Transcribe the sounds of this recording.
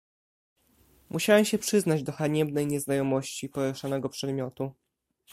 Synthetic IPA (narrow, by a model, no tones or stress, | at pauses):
mʔuɕawɛmɕɛpʂɘznad͡ʑd̪ɔxaɲɛbnɛjɲɛznajɔmɔɕt͡ɕipɔɾɛʂanɛɡɔpʂɛd̪mʲjɔt̪u